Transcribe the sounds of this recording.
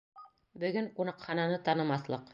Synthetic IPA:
bɵ̆ɡɵŋqunɑqχɑnɑnɤt̪ɑnɤ̆mɑθlˠɤq

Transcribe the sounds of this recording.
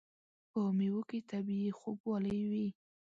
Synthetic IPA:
pəmewuket̪abiixobwɑləjwi

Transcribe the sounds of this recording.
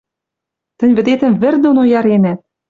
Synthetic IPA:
t̪ɘ̆nʲβɘ̆d̪et̪ɘ̆mβɘ̆rd̪onojɑɾenæt̪̚

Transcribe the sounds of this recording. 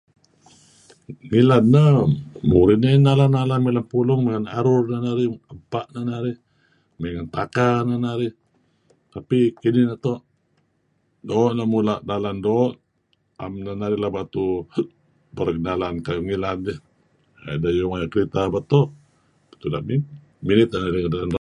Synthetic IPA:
ŋilannəmuɾɪtninalanalahmilanpulʊŋmeŋanaɾʊrnanaɾihəmpaʔnanaɾih | meŋant̪akananaɾih | t̪apikinihnat̪ɔʔ | doːʔnamulaʔdalandoːʔ | a̰mnanaɾɪlahbat̪u | bərɡənalankajuŋilani | a̰dajuŋajaʔkəɾit̪abat̪ɔʔ | b̥ḁt̪ula̰ʔmi | minɪt̪̚anaɾiŋdalana

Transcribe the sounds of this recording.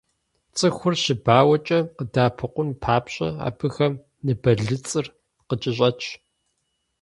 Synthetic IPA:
t͡sʼɨxʷʊrɕɪbaːwɐt͡ʃʼɐqədaːpʰɨqʷʊnpʰaːpɕʼɐ̰a̰ːbʰɨxɐm | nɨbɐɮɨt͡sʼɨr | qət͡ʃʼɪɕ̬ʼɐt͡ʃʼʰ

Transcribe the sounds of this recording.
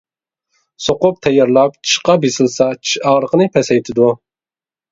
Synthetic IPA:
soqʊp̚t̪ʰɛjɑɾlˠɑp̚t͡ʃʰi̥ʃqɑbesɨlˠsɑt͡ʃʰi̥ʃɑʁɾəqənɨpʰɛsɛjt̪ʰɪd̪u

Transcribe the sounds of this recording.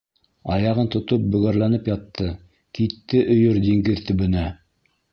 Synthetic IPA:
ɑjɑʁɤnt̪ŏt̪op̚bɵ̆ɣæɾlænɘpjɑt̪ːɤ | kit̪ːɘʔɵ̆jɵɾd̪iŋɡɘðt̪ɵ̆bɵ̆næ

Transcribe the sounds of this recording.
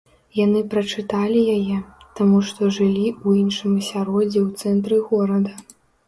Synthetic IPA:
janɨpɾɐt͡ʂɨt̪alʲijajɛt̪amuʂt̪ɔʐɨlʲiuinʂɨmɐsʲaɾɔd͡zʲɛwt̪sɛnt̪ɾɨɣɔɾɐd̪ɐ

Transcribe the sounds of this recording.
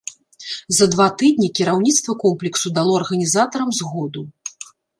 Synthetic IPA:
zɐd̪vat̪ɨd̪ʲnʲikʲiɾawnʲit̪st̪vɐkɔmplʲiksud̪alˠɔɐrɣɐnʲizat̪ɐɾɐmzɣɔd̪u

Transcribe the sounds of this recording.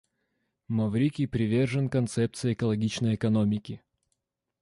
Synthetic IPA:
mɐvɾʲikʲipɾʲɪvʲe̞rʐɨnkɐnt̪sɛp̚t̪sɨjɛkəlˠɐɡʲit͡ɕnəjɛkɐnomʲɪkʲɪ

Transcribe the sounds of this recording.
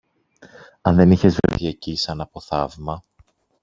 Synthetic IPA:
ɐnðe̞niçe̞zvḛθie̞cisɐnɐpo̞θɐvmɐ

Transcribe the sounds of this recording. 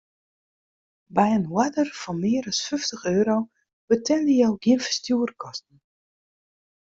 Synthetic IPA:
bɛjənwadərfɔnmɪːəɾɔsfʏftəxøːɾow | b̥ətʰɛldəjowɡiənfə̥rstjuərkʰɔstn̩

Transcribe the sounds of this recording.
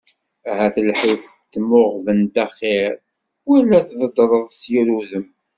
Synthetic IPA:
æɦæθəlħif | t̪ːmʊʁvənt̪æχeɾ | wælːæθðˤəd̪ɾˤəðˤsjiɾuðəm

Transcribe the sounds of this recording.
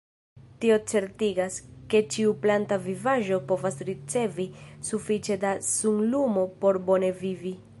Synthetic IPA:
tio̞t͡se̞ɾtiɡaske̞t͡ʃiuplantavivaʒo̞po̞vasɾit͡se̞visufit͡ʃe̞dasuŋlumo̞po̞ɾbo̞ne̞vivi

